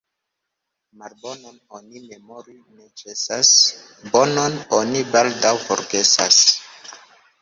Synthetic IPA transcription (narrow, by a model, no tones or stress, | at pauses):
maɾbo̞no̞no̞nime̞mo̞ɾinet͡ʃesas | bo̞no̞no̞nibaldawfo̰ɾɡe̞sa̰s